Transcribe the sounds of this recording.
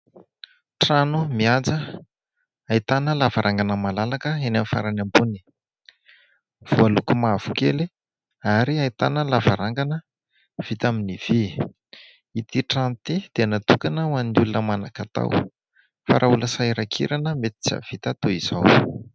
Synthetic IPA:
ʈ͡ʂanumiad͡zə | ait̪anəlavaɾʔaŋɡanəmalalakəenamfa̰ɾanambuni̥ | v̥ualukumav̥ukḛli | aɾiait̪anəlavaɾaŋɡanə | v̥it̪aminiv̥i | it̪iʈ͡ʂanut̪id̪̥enat̪ukanəwanulunəmanakat̪a̰w | fa̰ɾʔauləsajɾakʰḭɾanəmet̪i̥t͡sa̰v̥it̪at̪oiz̥aw

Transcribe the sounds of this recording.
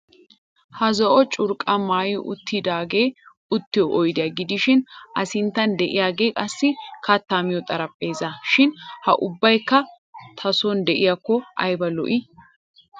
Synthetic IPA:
hɐzɔʔɔt͡ʃʼʊɾkʼɐmaːjɪʔʊ̰t̪ːɪd̪aːɡe̞ː | ʊt̪ːɪjɔʔɔjd̪ɪjɐɡɪd̪ɪʃɪnʔɐsɪnt̪ːɐnd̪ɛʔɪjaːɡe̞ːkʼɐsːɪkɐt̪ːaːmɪjɔt̪ʼɐɾɐpʼːe̞ːzɐʃɪnhɐʔʊbːɐjkːɐ | t̪ʰɐsɔnd̪ɛʔɪjakːɔʔɐ̰jbɐlɔ̰ʔɪ

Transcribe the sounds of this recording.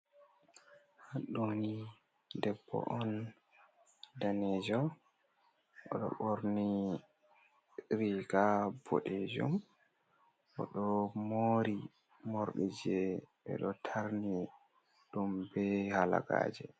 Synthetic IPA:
haɗːoni | dɛbːɔ̰ʔɔn | danɛd͡ʒɔ | ʔɔɗɔ̰ɓoɾni | ɾiɡabo̰ɗed͡ʒṵm | ɓɔɗɔmoɾi | moɾɗid͡ʒɛɓɛ̰ɗɔtʰaɾni | ɗumbɛhala̰ɡa̰ːd͡ʒɛ

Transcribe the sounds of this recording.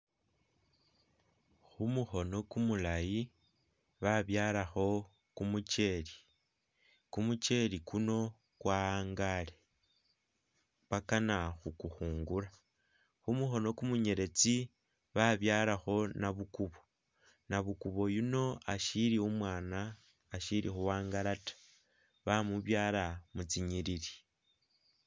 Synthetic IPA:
xumuxo̞no̞kumulaji | βaβjalaxo̞ | kumut͡ʃe̞li | kumut͡ʃe̞likuno̞ | kwaŋɡale | pwakanaxukuxuːŋɡuɾa | xumuxo̞no̞kumuɲe̞ɾe̞t͡si | βaβjaːɾaxo̞naβukuβo̞ | naβukuβo̞juno̞aʃiɾiumwaːnaː | ʃiɾḭxuwaːŋɡaɾatḁ | βamuβjaːlamut͡siɲiɾiɾi̥

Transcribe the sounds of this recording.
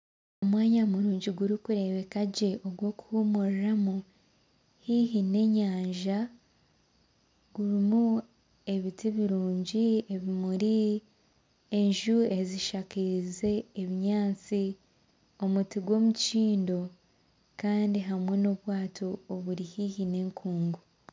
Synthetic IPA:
o̞mwaːɲamuɾuːɲɟiɡuɾikuɾe̞βe̞kaɟe̞ʔo̞ɡwo̞ːku̥humuɾiɾamu | hiɦine̞ːɲaːɲʒa | ɡ̥uɾimu | e̞βitiβiɾuːɲɟieβimuɾi | eɲʒue̞ziʃakize̞ːβiɲaːt͡si | o̞mutiɡwo̞ːmut͡ʃiːndo̞ | kaːndiɦamwe̞no̞βwaːto̞ːβuɾihihine̞ːŋkʰuːŋɡu

